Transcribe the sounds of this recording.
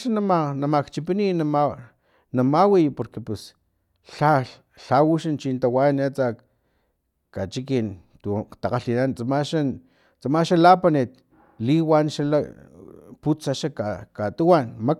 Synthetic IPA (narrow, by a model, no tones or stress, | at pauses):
ʃanamanamakt͡ʃip̬ininama | namawijpoɾkepus | ɬa | ɬawuʃant͡ʃint̪awanet͡sak | kat͡ʃikin | t̪ut̪aqaɬinant͡samaʃan | t͡samaʃalapanit̪̚ | liwanʃala̰ | put͡saʃakakat̪uwanma